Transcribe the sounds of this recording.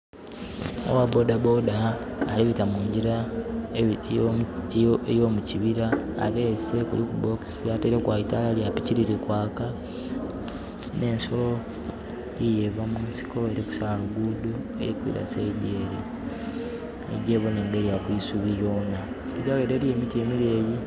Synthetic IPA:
o̰wabodabo̞daːliβitamuːɲɟiɾa | ejo̞ːmuciβiɾa̰ːβe̞se̞kṵlikubo̞ksiateɾekwaːitaːlaljapiciɾiɾikwaːka | ne̞ːnso̞lo̞ | ijevamuːnsi̥ko̞e̞ɾiku̥saaluɡudo | e̞̰ɾikuḭɾa̰seɟeːɾe | ḛɟe̞ːβone̞ːŋɡe̞ɾijakwiːsuβijo̞ːna | iɟaweːɾe̞ɾie̞ːmitie̞miɾe̞ːji

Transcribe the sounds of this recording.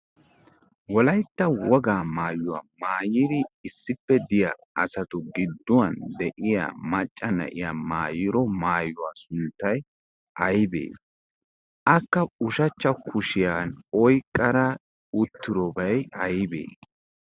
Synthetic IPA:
wɔlɐjt̪ːɐwɔɡaːmaːjːʊwa̰ːmaːjɪd̪ɪɪsːɪpːɛd̪ɪjɐ | ɐsɐt̪ʊɡɪd̪ːʊwɐnd̪ɛʔɪja̰ːmɐt͡ʃʼːɐnɐ̰ʔɪja̰maːjɪɾɔmaːjːʊwaːsʊnt̪ːɐj | ʔɐjbḛː | ʔɐkːɐʊʃɐt͡ʃːɐkʰʊʃɪjaːnɔjkʼːɐɾɐ | ʊt̪ːɪɾɔbɐjɐjbḛː

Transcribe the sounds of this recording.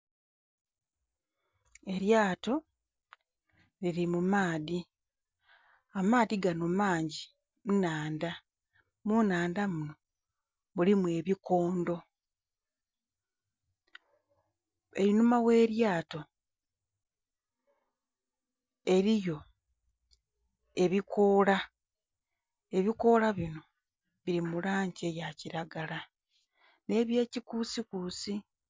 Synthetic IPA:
e̞ɾjaːto̞ | liɾimumaːði | amaːðiɡanomaːɲɟi | munaːnda | munaːndamuno̞ | mulimwe̞ːβiko̞ːndo̞ | e̞ɾinumawe̞ːɾjaːto̞ | e̞ɾijo̞ | e̞βikʰo̞ːla | e̞βiko̞ːlaβino̞ | βiɾimulaːɲɟejaciɾaɡala | ne̞ːβje̞ːcikuːsikusi

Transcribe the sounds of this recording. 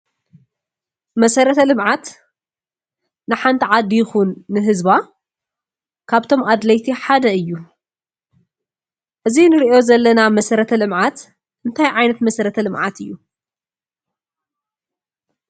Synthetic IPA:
mɐsɐɾɐt̪ʰɐlɨmʕat̪ | nɨħant̪ʰiʕad̪ijɪxunːɨɦɨzba | kʰaβt̪ʰo̞mad̪lɐjt̪ʰiħad̪ɐɨjːu | ʔɨzinɨɾiʔo̞zɐlːɐnamɐsɐɾɐt̪ʰɐlɨmʕat̪ | ʔɨnt̪ʰajʕajnɐt̪mɐsɐɾɐt̪ʰɐlɨmʕa̰t̪ʰɨjːu

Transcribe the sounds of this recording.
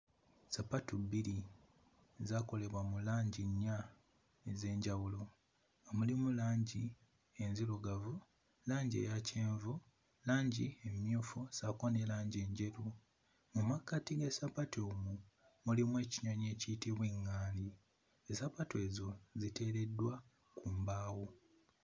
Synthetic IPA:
sapatubiɾi | zaːko̞le̞βwamulaːɲɟiɲːa | eze̞ːɲɟawulo̞ | ŋɡamulimulaːɲɟi | e̞nziluɡavu | laːɲɟḛjaceːɱvu | laːɲɟiemjuːfusakonelaːɲɟe̞ːɲɟe̞ɾu | mumakːatiɡesapatʰomu | mulimwe̞ːciɲoɲe̞ːcitiβweːŋːaːli | esapatwe̞ːzo̞zite̞ːɾe̞dːwa | kʰuːmbaːwo

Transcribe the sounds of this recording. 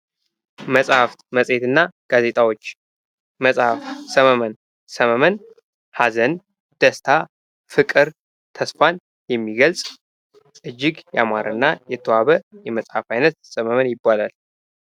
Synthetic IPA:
məsʼhaft̪məsʼe̞t̪ɨnːaɡ̥aze̞t̪ʼawo̞t͡ʃː | məsʼhafsəməmən | səməmən | hazən | d̪̥əst̪ʰa | fɨkʼɨɾ | t̪ʰəsfan | jɛmːiɡəlsʼ | ʔɨd͡ʒːɪɡja̰maɾɨ̰nːajɛt̪ʰːəwaβəjɛməsʼhafajnət̪̚səməmənjɪbːalal

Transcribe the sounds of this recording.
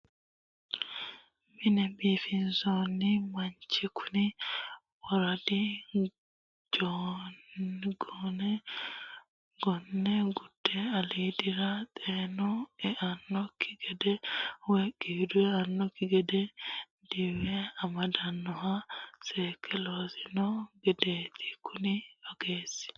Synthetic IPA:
minɛbifinsɔnimaɲt͡ʃekʰuni | wɔɾadi | d͡ʒɔnɡɔnɛ | ɡ̥ɔnːɛɡudːɛalidiɾat̪ʼenɔɛʔanːɔkʰi̥ɡɛdɛwekiːduɛanːɔkiɡɛdɛ | diwɛamadanːɔhasɛkʰɛlozinɔɡɛdet̪ʰi̥kunioɡ̥eːsi̥

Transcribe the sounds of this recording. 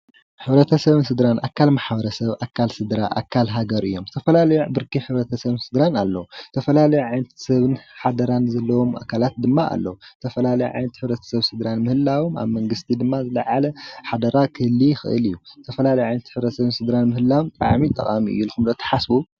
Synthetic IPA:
ħɨβɾɐt̪ʰɐsɐβɨnsɨd̪ɾanʔa̰kʰːalmaħbɐɾɐsɐβʔakʰːalsɨd̪ɾaʔa̰kʰːalɦaɡɐɾɨjːo̞mt̪ʰɐfɐlalɐjubɨɾkiħɨβɾɐt̪ʰɐsɐβɨnsɨd̪ɾanalːɐwut̪ʰɐfɐlalɐjuʕajnɐt̪ʰsɐβɨnħad̪ɐɾanzɐlːɐwo̞ma̰kʰalat̪̚d̪ɨmːaʔa̰lːɐwut̪ʰɐfɐlalɐjṵʕa̰jnɐt̪ħɨβɾɐt̪ʰɐ̥sɐβsɨd̪ɾanmɨhɨlːawoma̰βmɐŋɡɨst̪ʰid̪ɨmːazɨlɐʕalɐħad̪ɐɾakʰɨhlːixɨ̰ʔɨ̰lɨjːut̪ʰɐfɐlalɐjɛʕajnɐt̪ħɨβɾɐt̪sɐβɨnsɨd̪ɾanmɨhɨlːawomt̪ʼa̰ʕmit̪ʼɐ̰kʼamiʔɨ̰jːulxumlɐt̪ʰɐ̥ħasbu

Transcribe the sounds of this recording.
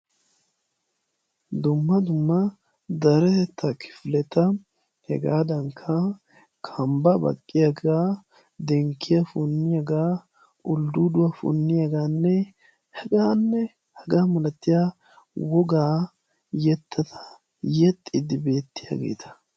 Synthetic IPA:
d̪ʊmːɐd̪ʊmːɐ | d̪ɐɾɛt̪ːɐkʰɪ̥flɛt̪ɐ | hɛɡaːd̪ɐŋkʰːɐ | kʰɐmbɐbɐ̰kʼːɪjaɡaː | d̪ɛŋkʰːɪjɐfʊnːɪjaɡaː | ʊld̪ud̪ʊwafʊ̰nːɪjaɡaːnːɛ | hɛɡaːnːɛ | hɛɡaːmɐlɐt̪ːɪja | wɔɡaː | jɛt̪ʰːɐt̪ʰɐ̥ | jɛt̪ʼːɪd̪ɪbe̞ːt̪ːɪja̰ɡe̞̰ːt̪ʰɐ̥

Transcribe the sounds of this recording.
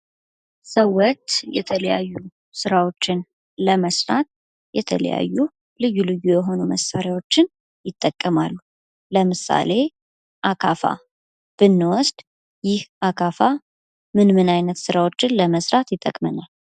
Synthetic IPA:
səwɔt̪jɛ̰t̪ʰələjajːu | sɨɾawo̞t͡ʃːɪn | ləməsɾat̪̚ | jɛt̪ʰə̰lə̰ja̰jːu | lɨjːulɨjːujɛɦo̞numəsːaɾjawo̞t͡ʃːɪn | jɪt̪ʼːəkʼːəmalːu | ləmɨsa̰le̞ | ʔakʰafa̰ | b̥ɨnːɨwɔsd̪ | jɪhʔakʰafa | mɨnmɨnajnət̪sɨɾawo̞t͡ʃːɪnləməsɾat̪jɪt̪ʼːə̰kʼmənal

